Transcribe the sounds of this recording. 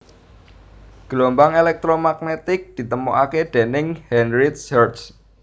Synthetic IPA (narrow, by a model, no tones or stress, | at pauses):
ɡ̥əlombaŋelɛk̚t̪ɾomak̚net̪ɪk̚d̪̥i̤t̪əmɔʔaked̪̥e̤nɪŋhɛnɾit̪sərt͡ʃ